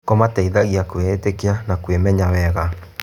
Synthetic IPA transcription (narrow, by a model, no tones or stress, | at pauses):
kɔmatɛiðaɣiakweetekeanakwemɛɲawɛɣa